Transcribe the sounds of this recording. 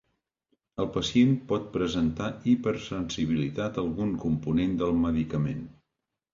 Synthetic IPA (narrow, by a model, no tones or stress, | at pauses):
əlˠpəsienpɔt̪̚pɾəzənt̪aipəɾsənsiβ̞ilit̪at̪əlˠɣuŋkumpunend̪əlˠməðikəmen